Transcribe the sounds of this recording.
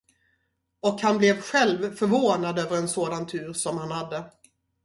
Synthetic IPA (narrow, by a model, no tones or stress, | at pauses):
ɔkhanblɛvɧɛlvfœɾvoːnad̪øːvəɾɛnsoːd̪ant̪ʰʉ̟ːɾsɔmhanhad̪ːə